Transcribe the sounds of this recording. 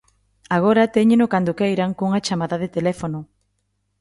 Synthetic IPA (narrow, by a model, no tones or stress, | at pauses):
aɣ̞oɾɐt̪eɲenʊkand̪ʊkejɾaŋkuŋat͡ʃamaðaðet̪elɛfonʊ